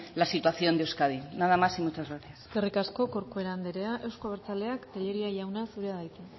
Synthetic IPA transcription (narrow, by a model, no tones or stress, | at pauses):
lasit̪waθjo̞nd̪ewskaðinaðamasimut͡ʃazɣaθjasskerikasko̞ko̞ɾkoe̞ɾand̪eɾe̞aʔe̞wsko̞βɾt͡sale̞akt̪eʎeɾiaʝawnasuɾeaðajt͡s̪e